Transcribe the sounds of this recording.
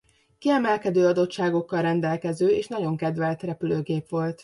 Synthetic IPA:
kiɛmɛlkɛd̪øːɒd̪o̞tt͡ʃːʃaːɡo̞kːɒlrɛnd̪ɛlkɛzøːeːʃnɒɟo̞ŋkɛd̪ʋɛlt̪rɛpyløːɡeːpʋo̞lt̪

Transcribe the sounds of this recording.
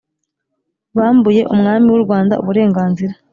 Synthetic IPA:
βaːmbuje̞ʔumŋaːmiwuɾɡwaːnda̰ʔuβuɾe̞ːŋɡaːnziɾa

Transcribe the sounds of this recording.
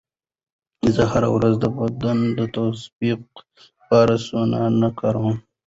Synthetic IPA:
zəɦaɾa̰wɾazd̪əbad̪and̪ət̪asbiq̚ | pɑːɾasunanakaɾum

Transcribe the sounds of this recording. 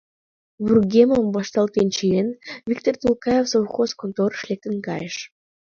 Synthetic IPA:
burɡʲemombɑʃt̪ɑlˠt̪ent͡ʃienvʲikt̪ort̪ulˠkɑjefsowχoskont̪oɾʃlʲek̚t̪ɘnkɑjeʃ

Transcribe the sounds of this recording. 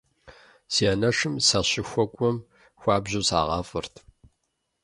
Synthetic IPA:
sianɐʂɨmsaɕɪxʷɔkʷʼɔm | xʷɑːbʑusa̰ːʁɑːfʼɨrt̪ʰ

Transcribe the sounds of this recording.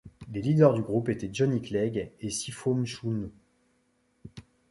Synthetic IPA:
lelid̪œʁd̪yɡʁupet̪ɛʒɔniklɛɡesifomʃun

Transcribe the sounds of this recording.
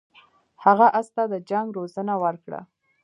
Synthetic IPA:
haɣaʔast̪ad̪əd͡ʒaŋɡɾozənawəɾkɽa̰

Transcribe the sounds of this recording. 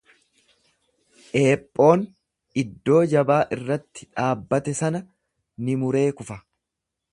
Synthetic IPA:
ʔe̞ːpʼːo̞ːn | ɪd̪ːo̞ːd͡ʒɐbaːʔɪrːɐt̪ːɪ̥ᶑaːbːɐt̪ɛsɐnɐ | nɪmʊɾe̞ːkʊfɐ

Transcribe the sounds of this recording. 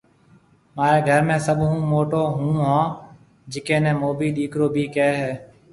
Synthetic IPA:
maːɾeːɡʱəɾmẽːsəɓɦũːmoːʈoːɦũːɦãː | d͡ʒɪkẽːnẽːmoːbiːɗiːkɾoːbʱiːkeːɦɛː

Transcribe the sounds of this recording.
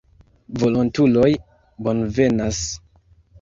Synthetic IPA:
vo̞lontulo̞j | bo̞nve̞nas

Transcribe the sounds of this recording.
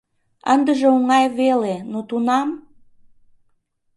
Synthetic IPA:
ənd̪əʒeuŋɑjβelenot̪unɑm

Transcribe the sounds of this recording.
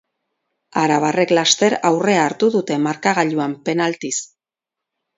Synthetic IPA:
aɾaβ̞are̞klast̪e̞ɾawre̞aːɾt̪uðut̪e̞maɾkaɣ̞aʎuampe̞nalt̪is

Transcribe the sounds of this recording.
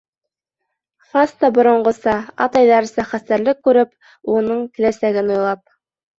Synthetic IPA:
χɑst̪ɑbŏɾŏɴɢɤ̆sɑɑ̰t̪ɑjðɑɾsɑχæst̪æɾlɘkːʉɾɘp | unɤɴk̪ɘ̆læsæɡɘnujlˠɑp̚

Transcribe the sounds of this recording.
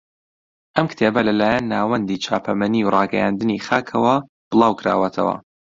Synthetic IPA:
ʔɐmkt̪ʰebɐlɐlaːjɐnːaːwɐnd̪iːt͡ʃʰa̰ːpʰɐmɐniwrˤɑːɡɛ̰jand̪ɨnixaːkʰɐwɐ | b̥ɨlˠɑːwkʰɨɾa̰ːwɐt̪ʰɐ̰wɐ̰

